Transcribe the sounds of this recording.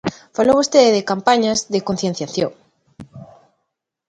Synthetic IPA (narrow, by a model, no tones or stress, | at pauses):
faloβost̪eðeðekampaɲazðekon̟θjen̟θjaθjoŋ